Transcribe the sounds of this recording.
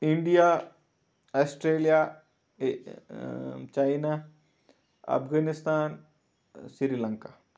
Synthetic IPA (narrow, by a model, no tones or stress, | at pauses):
ɪɳɖija | aːsʈɾeːlija | t͡ʃaɪna | ɐ̰pɡanɪst̪aːn | siɾilɐ̃ŋka